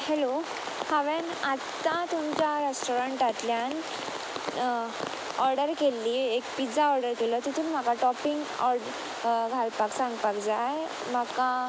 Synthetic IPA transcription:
hɛlo | haʋenat̪ːãt̪umt͡ɕaɾesʈoɾəɳʈat̪ljan | ɔɾɖəɾkelːiːekpid͡zaɔɾɖəɾkelɔt̪it̪ʰumim̤akaʈɔpiŋɡɔɾɖ | ɡʱalpaksãŋɡpakd͡zaj | maka

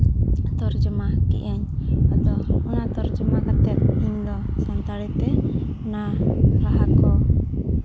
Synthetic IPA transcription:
t̪ɔɾd͡ʒɔmakḭʔɛɲad̪ɔunat̪ɔɾd͡ʒɔmakat̪ɛt̪̚iɲd̪ɔ | sant̪aɽit̪ɛ | naɾaɦakɔ

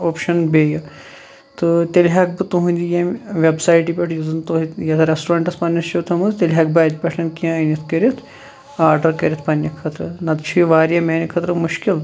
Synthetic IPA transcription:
oːpʃɐnbeːjɐ | t̪ɨt̪elʲɦaːk̚bɨt̪oɦũnʲd̪ijɐmʲʋebsaːjʈipʲɐʈʰjuzɨnt̪oɦijɐt̪ʰɐɾesʈuɾaːɳʈɐspɐnʲːɐst͡ʃʰoːt̪ʰɐmɐzt̪ʲelʲɦaːk̚baːt̪̚ʲpʲɐʈʰɐnkijãɐnit̪ʰkɐɾʲit̪ʰ | aːɾɖɐɾkɐɾʲit̪ʰpɐnʲjɐkʰɐt̪ɾɨnɐt̪t͡ʃʰiiʋaːɾijɐmeːnikʰɐt̪ɾɨmuʃkil

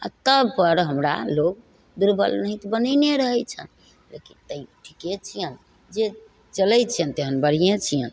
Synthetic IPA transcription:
a̰t̪əbpəɾɦəmɾa̰loɡ̚ | d̪uɾbʱə̰lnəɦĩt̪ɔbənəɪneɾəɦɛt͡ʃʰə̰n | lḛkint̪əjʈʰiket͡ʃʰijən | d͡ʒe | t͡ʃəlɛjt͡ʃʰijənt̪eɦənbəɽ̤ijẽt͡ʃʰijən

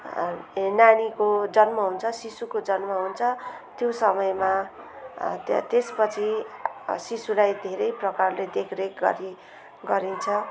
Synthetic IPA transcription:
nañikod͡zʌnmʌɦunt͡sʰʌsisukod͡zʌnmʌɦunt͡sʰʌt̪josʌmʌjma | t̪espʌt͡sʰi | sisulajd̪ʱeɾʌjprʌkarled̪ekʰrekɡʌ̰ɾi | ɡʌɾint͡sʰʌ

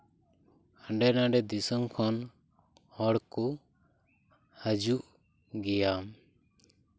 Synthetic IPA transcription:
ə̃ɳɖɛnãɖɛd̪isɔmkʰɔn | hɔɽku | həd͡ʒuʔ | ɡɛjam

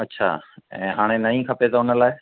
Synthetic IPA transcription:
ɐtːʃʰa̰ːɛ̰̃ːɦaːɽ̃ẽnɐĩkʰɐpet̪aʊnəlaːɪ

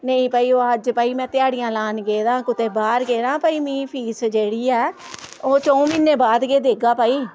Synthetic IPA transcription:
nəĩːpəiːoːəd͡ʒpəiːmɛ̃ːt̪ɪaːɽɪjãːlaːnɡeːɾãːkʊt̪eːbaːɾɡeːɾãːpəiːmĩːpʰiːsd͡ʒeːɽiːɛː | oːt͡ʃɔ̃ːmɪneːbaːd̪ɡeːd̪eːɡaːpəːiː

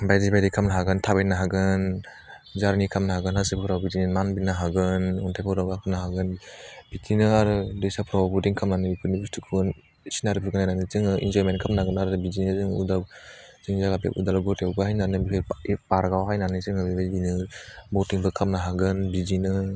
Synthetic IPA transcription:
bajdibajdikʰamnaɦaɡɯntʰabenaɦaɡɯn | zaɾnikʰamnaɦaɡɯnhasɯpʰɯɾawbitinɯmanbinaɦaɡɯnɔntʰajpʰɔɾaɡakʰamnaɦaɡɯnbitʰinɯaɾɯdesapʰɾawbutiŋkʰamnanɯbikʰuɾnibustʰɯkʰɯn | sinaɾɯpʰɯɡɯnajnanɯzɯŋɯḭnd͡ʒɔjmenkʰamnaɡɯnaɾɯbid͡ʒinɯzɯŋuda | z̥ɯŋzaɡapḛʔudalɡɔtewbɯɦajnanɯbipaɾɡawɦajnanɯzɯŋɯbibajinɯbotiŋbɯkʰamnaɦaɡɯnbizinɯ

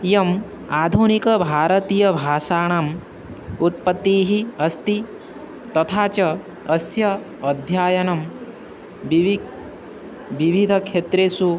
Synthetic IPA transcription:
jɐm | aːd̪ʱunikɐbʱaːɾɐt̪iːjɐbʱaːsaːɳ̃am | ut̪̚pɐt̪ːiːɦiɐst̪i | t̪ɐt̪ʰaːt͡ʃɐ | ɐsjɐ | ɐd̪ʱjaːjɐnɐm | ʋiʋʱid̪ʱɐkʰʃet̪ɾeːsu

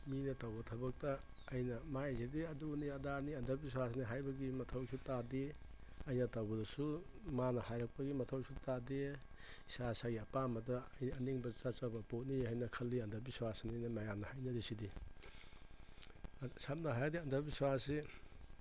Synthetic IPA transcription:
minɐtawbɐtʰɐbɐk̚tɐː | jnɐmasidiɐduniɐdaniɐndɐbis̬wasniɦajbɐɡimɐtʰɐwsutade | ɐjnɐtawbɐdɐsumanɐhajɾɐk̚pɐɡimɐtʰɐwsutadeisasaɡiɐpamɐdɐɐjniɐniŋbɐt͡ʃat͡ʃabɐpot̚nihajnɐkʰɐlːiɐndɐbiswasninɐmajamnɐhajnɐdisidi | sap̚nɐɦajdiɐndɐbiswasi

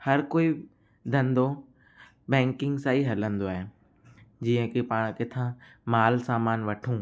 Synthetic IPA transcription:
hɐɾkoːi | d̪ʱə̃nd̪o | bɛ̃ːŋkɪ̃ŋɡsaːiɦɐlə̃nd̪oaːɦe | d͡ʑiːə̃kipaːɽ̃kɪt̪ʰãmaːlsaːmaːnʋɐʈʰũː

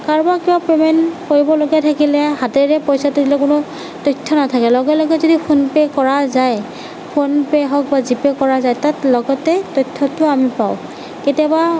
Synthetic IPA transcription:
kaɹbakibapemɛnkoɹibɔloɡɛtʰakilɛhateɹɛpɔjsatʊdilɛkʊnʊ | tɔjtʰːɔnatʰakɛlɔɡɛlɔɡɛzodipʰunpɛkɔɹazaj | pʰunpɛɦɔk̚bazipɛkɔɹazajtatlɔɡɔtɛtojtʰːɔtʊamipaʊ̃ | ketijaba

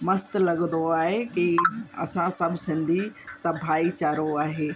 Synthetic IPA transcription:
mɐst̪lɐɡə̃nd̪oaːɦekiɐ̰sãsɐbʱsɪ̃nd̪ʱisɐbʱaːit͡ɕaːɾoaːɦeː

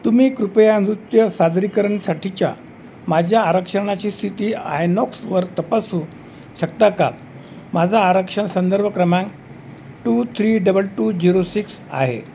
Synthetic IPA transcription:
t̪um̤iːkɾupjand̪ɾut̪jəsad̪ɾikəɾəɳsaʈʰit͡ɕja̰ | mad͡ʑʱjaːɾəkʂəɳ̃at͡ɕiːst̪ʰit̪iːa̰jnɔksʋəɾt̪əpasuː | ɕək̚t̪aka̰ | mad͡zʱaːɾəkʂəɳsənd̪əɾbəkɾəmãŋk | ʈuːt̪ʰɾiːɖəbəlʈuːd͡ʑiɾosiks | a̰ɦḛ

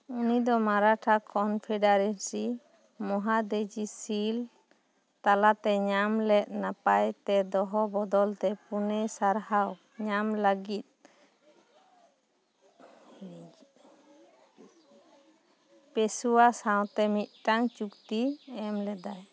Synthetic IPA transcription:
unid̪ɔmaɾaʈʰakʰɔnpʰɛɖaɾɛnsi | mɔɦad̪ed͡ʒisil | t̪alat̪ɛɲamlɛt̪̚ˀnapajt̪ɛd̪ɔɦɔbɔd̪ɔlt̪ɛpunɛsaɾhaw | ɲamləɡit̪̚ | pesuwasaw̃t̪ɛmit̪̚ʈaŋt͡ʃukt̪iɛmlɛd̪aj

